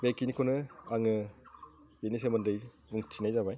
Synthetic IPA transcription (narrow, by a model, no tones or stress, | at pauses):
bekinikʰonɯaŋɯ | benis̬emɐndɯj | buŋtʰinajzabaj